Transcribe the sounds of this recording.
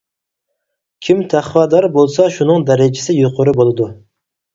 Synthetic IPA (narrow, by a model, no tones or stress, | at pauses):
kʲʰimt̪ʰæχwɑd̪ɑɾbolˠsɑʃunɨŋd̪æɾɪd͡ʒɪsɪjoqʰʊɾɨbolˠɨd̪u